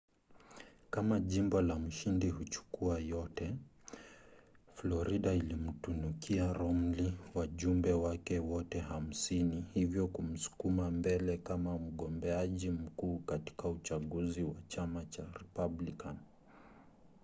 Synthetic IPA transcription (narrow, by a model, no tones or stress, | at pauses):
kamaʄimbɔlam̩ʃindihut͡ʃu̥kuajɔtɛ | flɔɾiɗailim̩tunukiaɾɔm̩liwaʄumbɛwakɛwɔtɛham̩sinihivjɔkum̩su̥kumambɛlɛkamam̩ɠɔmbɛaʄim̩kuːkati̥kaut͡ʃaɠuziwat͡ʃamat͡ʃaɾɛpablikan